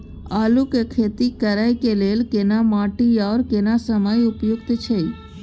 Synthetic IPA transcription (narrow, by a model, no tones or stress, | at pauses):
alukekʰet̪ikəɾajkelelkenamaʈiaɾkenasəməjʊpjʊkt̪t͡ʃʰe